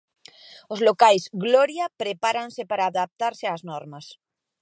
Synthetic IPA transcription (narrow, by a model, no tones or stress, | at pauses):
ozlokajzɣloɾjapɾepaɾansepaɾaːðap̚t̪aɾseaːznɔɾmas